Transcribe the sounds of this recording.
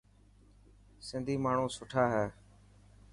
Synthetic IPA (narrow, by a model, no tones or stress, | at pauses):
sɪnd̪ʱiːmaːɳ̤ũːsʊʈʰaːɦɛː